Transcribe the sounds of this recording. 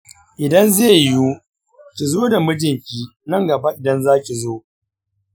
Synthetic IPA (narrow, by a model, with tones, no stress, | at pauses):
ʔɪ˨dɐ˦nzeː˦˨ju˦ | kʲi˨zoː˦da˨mʊ˦d͡ʒɪ˦˨ŋkʲiː˦nɐ˦ŋɡɐ˨ba˦ʔɪ˨dɐ˦nzaː˦kʲi˨zoː˦